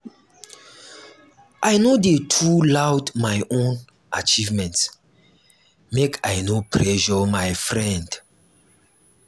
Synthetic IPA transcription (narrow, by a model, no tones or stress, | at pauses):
ʔajnodetʰulawdmajʔõn | ʔat͡ʃivmɛ̃nts | mekʰajnopʰɹɛʃɔmajfɹɛ̃nd